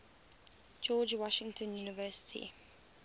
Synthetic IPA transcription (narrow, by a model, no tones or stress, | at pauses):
d͡ʒɔːd͡ʒwɔʃɪ̃ŋtʰə̃njuːnɪvɜːˑsɪ̥tʰḭ